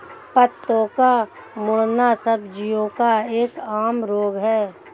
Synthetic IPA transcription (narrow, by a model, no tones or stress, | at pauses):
pət̪ːõka | mʊɽnasəbd͡ʒijõkaeːkaːmɾoːɡɦɛː